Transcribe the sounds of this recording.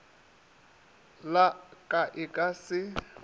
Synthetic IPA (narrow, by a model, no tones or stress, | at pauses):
lakʼaʔɪkʼasɪ